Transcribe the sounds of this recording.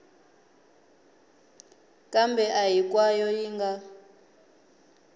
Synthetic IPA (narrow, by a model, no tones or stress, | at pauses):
kʼambɛʔajik̬ʼwajɔjiŋɡa